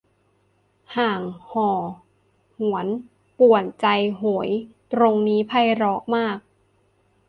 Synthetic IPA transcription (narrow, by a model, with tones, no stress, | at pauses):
haː˨˩ŋhɔː˨˩ | hu˩˦ən | pu˨˩ənt͡ɕa˧jɦoː˩˦jt̪ɾo˧ŋniː˦˥pʰa˥˩jɾɔː˦˥ʔ̚maː˥˩k̚